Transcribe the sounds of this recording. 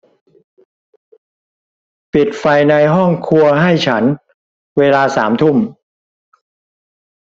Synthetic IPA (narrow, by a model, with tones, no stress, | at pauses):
pi˨˩t̪̚fa˧jna˧jɦɔ˥˩ŋkʰu˧ɐɦa˥˩jt͡ɕʰa˦˥n | weː˧laː˧saː˩˦mt̪ʰu˥˩m